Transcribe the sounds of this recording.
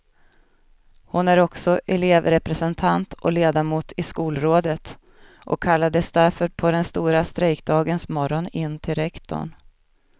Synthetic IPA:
hʊnæɾɔksɔʔɛleːvɾɛpɾɛsɛnt̪ʰant̪ʰʔɔ̰leːd̪amuːt̪ʰɪskuːlɾoːd̪ət̪ | ʔɔ̰kʰːalːad̪əsd̪æɾfœɾpʰɔd̪ɛnst̪uːɾast̪ɾɛjkd̪ɑːɡənsmɔɾɔnɪnːt̪ʰɪlɾɛkt̪ʰɔ̰ɳ

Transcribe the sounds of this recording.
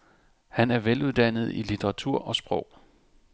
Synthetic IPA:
hænæɐʋeluð̞ˠd̥æn̰ð̞̩ˠilit͡sʰeʁɑ̈t͡sʰuɐ̰ʔɒ̽sb̥ʁɔʊ̰

